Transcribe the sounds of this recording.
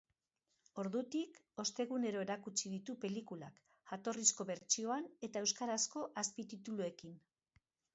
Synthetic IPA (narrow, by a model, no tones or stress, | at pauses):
o̞ɾðut̪ik | o̞st̪e̞ɣune̞ɾo̞e̞ɾakut͡ʃiðit̪upe̞likula̰k | ʝat̪o̞risko̞βe̞ɾt͡ʃio̞ane̞t̪ae̞wskaɾasko̞ʔaspit̪it̪ulue̞kin